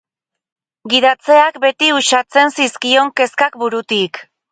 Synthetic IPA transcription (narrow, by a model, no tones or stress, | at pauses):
ɡiðat͡se̞ak̚be̞t̪iuʃat͡se̞nsiskio̞ŋke̞skakbuɾut̪ik